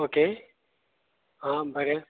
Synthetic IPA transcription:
oːkeː | ɦãːbʱɐɾe

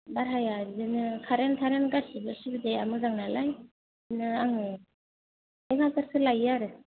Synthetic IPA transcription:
baɾɦajadɯnɯkʰaɾentʰaɾenɡasibɯsibɯdejamɯzaŋnalaj | nɯaŋɯ | eŋatɯɾsʰɯlajaɾɯ

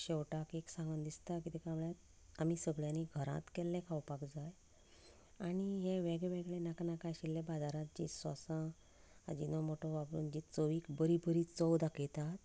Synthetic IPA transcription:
ɕewʈakeksãŋɡənd̪ist̪akit̪ɛkamuɭjat̪ | amisəɡɭjãniɡʱəɾã̰t̪kɛlːɛ̃kʰawpakd͡zaj | aɽ̃iɦẽʋeɡɭeʋeɡɭenaknakajɕilːẽbad͡zaɾãt̪̚d͡ʑḭsʋa̰sã | a̰d͡ʑinɔmoʈɔʋabɾṵːnd͡ʑit͡səʋiːkbəɾibəɾit͡sɔwd̪aket̪at̪

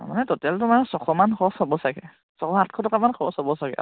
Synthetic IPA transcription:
a̰manɛtɔtɛltʊmaɹsɔkʰɔmanxʰɔsɔbɔsaɡɛ | sɔkʰɔat̚kʰɔtɔkamanxʰɔsɔbɔsaɡɛ̰

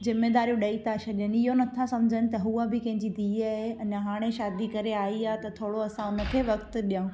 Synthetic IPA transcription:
zɪmed̪aːɾijũɗɐit̪ʰaʃɐɗjənɪ̆ɪɦonɐt̪ʰasɐ̃md͡ʑʱənɪ̆t̪ɐɦuabɪkɐ̃ɦɪ̃ɲd͡ʑid̪iːaːɦeɐnɦaːɽ̃eʃaːd̪ikɐɾeaːiaːt̪ɐt̪ʰoːɽoɐsãʊnə̆kʰeːʋɐkt̪̆ɗijãũ

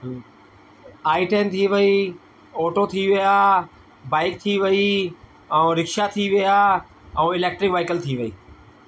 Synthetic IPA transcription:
aːɪʈeːnt̪ʰiːʋɪiː | oːʈoːt̪ʰiːʋɪjaː | baːɪk̚t̪ʰiːʋəĩː | ɾɪkʃaːt̪ʰiːʋɪjaː | ɛ̃ːɪleːk̚ʈɾɪkʋaːɪkəlt̪ʰiːʋɪiː

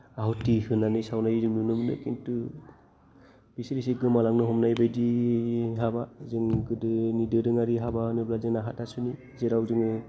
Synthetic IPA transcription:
aɦutihɯnanɯsawnajzɯŋnunɯmnɯ̰kḭntu | b̥isɾisiɡɯmalaŋnɯɦɔmnajbedi | ɦabazɯŋɡɯdɯnidɯdɯŋaɾiɦabanɯblazɯŋnaɦatasuni | zeɾawzɯŋɯ

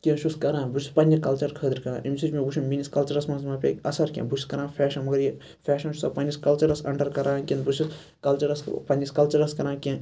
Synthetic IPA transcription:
kʲẽnʃuskɐɾãːnbut͡ʃʰi̥pɐnʲd͡ʒikɐlt͡ʃɐɾkʰəːd̪ɐɾkɐɾã̰ːʔimʲsid͡ʒmẽbuʃʰinminiskɐlt͡ʃɐɾɐsmɐnsmaːpʲḛɐsɐɾkʲḛ̃ːbut͡ʃʰi̥skɐɾãːfʰɛːʃɐnmɐɡɐɾji | fɛːʃɐnʃʰu̥sɐpɐnʲd͡ʒiskɐlt͡ʃɐɾɐsɐ̰ɳʈɐɾkɐɾãːkʲinbut͡ʃʰis | kɐlt͡ʃɐɾɐspɐnʲd͡ʒiskɐlt͡ʃɐɾɐskɐɾãːkʲẽ

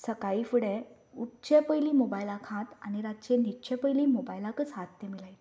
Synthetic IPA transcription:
səkaifuɽẽ | utt͡ɕepəjliːmobajilakʰãt̪a̰ñiɾat̪t͡ɕenit͡ɕẽpəjliːmobajlãkəsɦãt̪ːemilaj̪

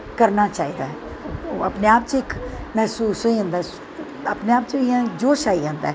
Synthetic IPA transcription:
kəɾnaːt͡ʃaːiːd̪aːɦ | ə̰pneːaːpt͡ʃɪkmɛːsuːsoiʊ̃nd̪aː | əpneːaːpt͡ʃoɪjãːd͡ʒoːʃaːiːãːnd̪aː

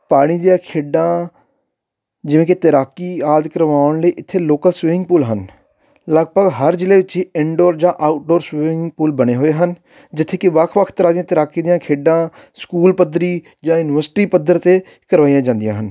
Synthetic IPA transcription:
paːɽ̃iːd̪ijãːkʰeːɖãː | d͡ʒɪʋẽːket̪əɾaːkiːaːd̪kəɾʋaːʊɳləiːʔɪt̪ʰːeːloːkəlsʋɪʋɪ̃ŋɡ̚puːlɦən | ləɡ̚bəɡɦəɾd͡ʒɪleːʋɪt͡ʃɦiːɪ̃ɳɖoːɾd͡ʒãːʔaːʊʈ̚ɖoːɾsʋɪʋɪ̃ŋpuːlbəɽ̃eːɦoːeːɦən | d͡ʒɪt̪ʰːeːkɪʋəkʰʋəkʰt̪əɾaːd̪ijãːt̪ɪɾaːkiːd̪ɪjãːkʰeːɖãː | skuːlpəd̪ɾiː | d͡ʒãːjʊnɪʋəɾsʈiːpəd̪əɾt̪eː | kəɾʋaːijãːd͡ʒãːnd̪ijãːɦən

